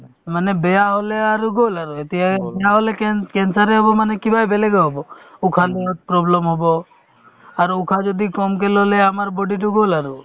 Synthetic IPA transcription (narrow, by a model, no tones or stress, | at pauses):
manebejaɦoleaɾuɡolaɾuet̪iɦaeaɦolekkensaɾeɦɔbɔmanekibʱajbeleɡɔɦɔbɔukʰand̪eɾɔt̪̚pɾɔblɔmɦɔbɔ | aɾukʰad͡ʒɔd̪ikɔmk̬elɔɦleamaɾbɔɖiʈuɡolaɾu